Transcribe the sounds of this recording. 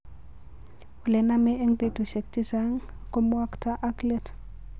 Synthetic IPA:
o˨le˨na˦me˦e˦ŋbe˨to˨ʃe˨k̚ti˦saŋ | ko˦mwa˦kta˦ʔa˦kle˦t

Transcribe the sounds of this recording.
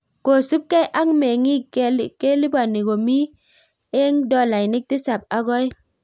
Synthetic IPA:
ko˨su˦p̚ka˦jʔa˦ŋme˨ŋi˦kke˦li˦ba˨ni˨ɡo˨mi˦ | e˦ŋdɔ˦la˨jni˦k̚ti˦sa˨p̚a˦ɡo˦i˦

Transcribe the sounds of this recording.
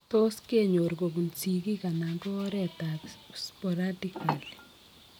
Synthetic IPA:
t̪o˦ske˦ɲo˨ɾɡo˨ɡu˨nsi˨ɡi˦ka˨na˨ŋɡɔ˦ɾɛ˦t̪a˨spɔ˨ɾadika˨l

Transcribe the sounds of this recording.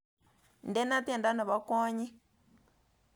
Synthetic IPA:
ndɛ˦na˦t̪ɛ˦˨nda˦na˨βa˦kɔː˦ɲi˦

